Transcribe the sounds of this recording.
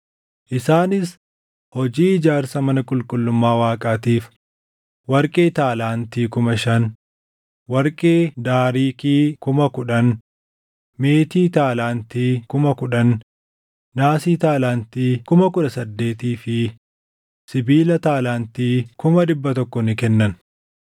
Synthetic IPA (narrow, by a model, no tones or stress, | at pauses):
ʔɪsaːnɪs | hɔd͡ʒiːɪd͡ʒaːɾsɐmɐnɐkʼʊlkʼʊlːʊmːaːwaːkʼaːt̪iːf | wɐɾkʼe̞ːt̪aːlaːnt̪iːkʊmɐʃɐn | wɐɾkʼeːd̪aːɾiːkiːkʊmɐkʊᶑɐn | meːt̪iːt̪aːlaːnt̪iːkʊmɐkʊᶑɐnː | aːsiːt̪aːlaːnt̪iːkʊmɐkʊᶑɐsɐd̪ːe̞ːt̪iːfɪ | sɪbiːlɐt̪aːlaːnt̪iːkʊmɐd̪ɪbːɐt̪ɔkːɔnɪkɛnːɐn